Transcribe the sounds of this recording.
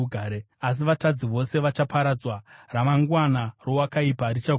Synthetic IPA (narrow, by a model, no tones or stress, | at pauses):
uɡʱaːɾe | as̬iʋatad͡ziʋo̞se̞ʋat͡ʃapaɾad͡zwaramaŋɡwanaro̞wakaipaɾit͡ʃa